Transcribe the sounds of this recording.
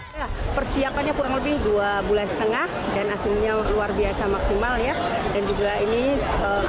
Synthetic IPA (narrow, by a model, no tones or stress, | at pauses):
lapərsiapanɲakuɾaŋləbɪhduabulansə̥t̪əŋahdanasɪlɲaluarbiasamaksimaljadand͡ʒuɡaini | ə